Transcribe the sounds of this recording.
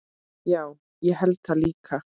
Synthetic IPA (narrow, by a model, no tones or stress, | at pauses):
jaw | jahalt̪alikʰa